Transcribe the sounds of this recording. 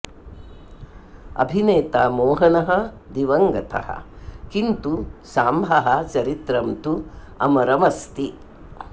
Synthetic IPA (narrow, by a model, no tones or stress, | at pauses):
ɐ̰bʱineːt̪aːmoːɦɐnɐɦɐ | d̪iʋɐŋɡɐt̪ʰɐ̰hɐ̰kint̪usaːmbʱɐɦɐt͡ʃɐɾit̪ɾɐmt̪u | ɐ̰mɐɾɐmɐst̪i